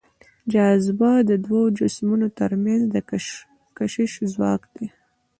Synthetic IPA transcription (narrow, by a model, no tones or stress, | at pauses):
d͡ʒɑzbad̪əd̪wad͡ʒasmunot̪əɾmjanzd̪ə | kaʃɪʃzwɑ̰kd̪e